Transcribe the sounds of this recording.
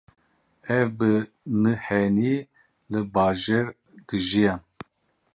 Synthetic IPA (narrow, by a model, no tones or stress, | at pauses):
ɛvbɨ | nɨhɛni | lɨbaːʒɛɾ | d̪̥ɨʒijan